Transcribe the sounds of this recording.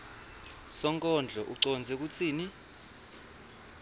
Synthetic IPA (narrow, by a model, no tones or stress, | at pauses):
sɔŋkʼɔnd͡ɮʱɔʔuǀɔnd͡zʱɛk̬ut͡sʰiːni